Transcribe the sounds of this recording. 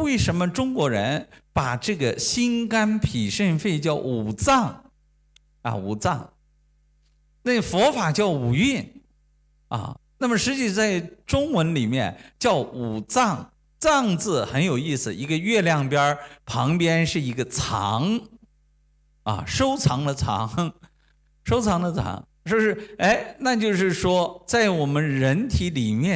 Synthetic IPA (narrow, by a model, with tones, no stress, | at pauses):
we˥˩ɪʂə˧˥nmə˧ʈ͡ʂʊ˥ŋkwɔ˧˥ɻə˧˥npa˨˩ʈ͡ʂɤ˥˩ɡə˩ɕi˥nka˥npʰi˨˩ʂə˥˧nfe˥˧ɪt͡ɕjɑ˥˩ʊu˨˩t͡sɑ˥˩ŋ | ɐ̰˧˩ṵ˨˩t͡sɑ̰˥˩ŋ | na˥˩fɔ˧˥fa˨˩t͡ɕjɑ˥˩ʊu˨˩i˥˩n | ɐ̰˥˩na˥˩mə˩ʂɻ̩˧˥t͡ɕi˥˩ʂt͡sa˥˩ɪʈ͡ʂʊ˥ŋwə˧˥nli˨˩mjɛ̰˥˧nt͡ɕjɑ˥˩ʊu˨˩t͡sɑ˥˩ŋ | t͡sɑ˥˧ŋt͡sɹ̩˥˩xə˧˥njo˨˩ʊi˥˩sɹ̩˨˩i˧˥ɡə˧ɥɛ˥˧ljɑ˥˩ŋpjɐ˥pʰɑ˧˥ŋpjɛ˥nʂɻ̩˥˩i˧˥ɡə˧t͡sʰɑ̰˧˥ŋ | ɐ̰˧˩ʂo˥ʊt͡sʰɑ˧˥ŋd̪ə˧t͡sʰɑ̰˧˥ŋ | ʂo˥ʊt͡sʰɑ˧˥ŋd̪ə˧t͡sʰɑ̰˧˥ŋ | ʂɔ˥˧ʂɻ̩˥˧e˥˩ɪna˥˧t͡ɕjo˥˧ʊʂɻ̩˥˩ʂwɔ˥t͡sa˥˩ɪwɔ˨˩mə˦nɻə˧˥nt̪ʰi˧˥li˨˩mjɛ˥˩